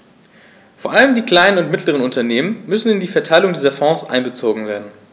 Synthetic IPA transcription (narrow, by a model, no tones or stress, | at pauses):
foːɐʔaləmdiːkl̥aɪnənʊntmɪtʰləʁ̞ənʊntɐneːmənmʏsn̩ɪndiːfɛɐtʰaɪlʊŋdiːzɐfɔ̃ːsʔa̰ɪnbət͡soːɡŋ̩veːɐdn̩